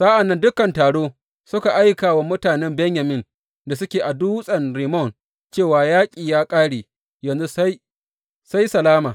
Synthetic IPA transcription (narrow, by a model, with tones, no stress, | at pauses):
saː˦ʔa˨nːɐ˦ndʊ˦kɐ˨ntaː˨ɽoː˦ | sʊ˦ka˨ʔa˦jkaː˨wa˨mʊ˦taː˨nɛ˦mbɛ˦ɲjɐ˨mɪ˦n | da˨sʊ˦kʲeː˨ʔa˨duː˦sʼɐ˨nɾi˨mɔ˦˨n | t͡ʃeː˦˨waː˨jaː˦kʲʼiː˨jaː˦kʼaː˦ɽeː˨ | jɐ˨nzu˦ | sa˦jsɐ˨laː˦maː˨